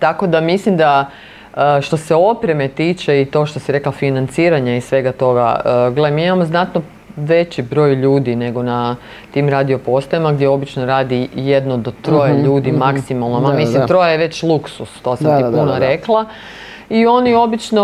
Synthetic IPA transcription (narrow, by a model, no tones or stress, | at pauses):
t̪ako̞d̪amislimd̪a | əʃt̪o̞se̞o̞pɾe̞me̞t̪iːt͡ʃe̞it̪o̞ːʃt̪osiɾe̞klafinant̪siːɾaɲaisʋe̞ɡat̪o̞ɡa̰əɡled̪miimamo̞znat̪no | ʋe̞t͡ɕibɾo̞ːjʎuːd̪ine̞ɡo̞na | t̪iːmɾaːd̪io̞po̞st̪ojimaɡd̪jeo̞bit͡ʃnoɾaːd̪ijed̪nod̪ot̪ɾo̞jeʎuːd̪imaksimalˠnomamislimt̪ɾojajeʋe̞t͡ɕlˠuksust̪o̞ːsammt̪ipunaɾe̞klˠa | io̞nio̞bit͡ʃno